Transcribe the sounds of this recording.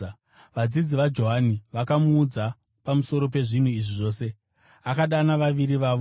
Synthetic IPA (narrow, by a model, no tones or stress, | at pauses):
ʋad͡zid͡ziʋad͡ʒo̞ɦaniʋakamuːd͡za | pamuso̞ɾo̞p̬e̞ʐin̤uiʐiʐo̞ːse̞ | akaɗanaʋaʋiɾiʋaːʋo